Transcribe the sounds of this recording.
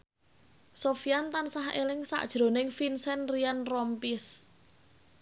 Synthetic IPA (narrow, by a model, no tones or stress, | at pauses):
sofijant̪ansaɦelɪŋsa̰ʔd̥ʒ̥ɾo̤nɪŋfinsɛnrianrɔmpis